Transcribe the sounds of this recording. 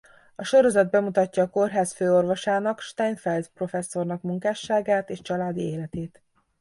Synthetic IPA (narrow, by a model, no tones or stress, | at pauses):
ɒʃo̞ɾo̞zɒd̪̚bɛmut̪ɒcːɒːko̞rɦaːsføːo̞rvo̞ʃaːnɒkʃt̪ɛjnfɛld̪pro̞fɛsːo̞rnɒkmuŋkaːʃːaːɡaːt̪eːʃt͡ʃɒlaːd̪ieːlɛt̪eːt̪